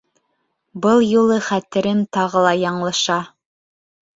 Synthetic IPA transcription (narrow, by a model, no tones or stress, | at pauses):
bɤlˠjulˠɤχæt̪ɘ̆ɾɘnt̪ɑʁɤ̆lˠɑjɑɴlˠɑʃɑ